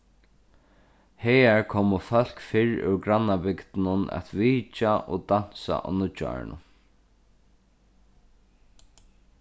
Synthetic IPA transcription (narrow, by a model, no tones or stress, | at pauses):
hɛːaɹkʰɔːmʊfœl̥kfɪɹʉ̰ɾɡɾanːabɪkt̪nʊnɛ̰t̪viːt͡ʃaʔɔd̪an̥sa̰ʔa̰nʊt͡ʃːa̰ɹɪ̰nʊ̰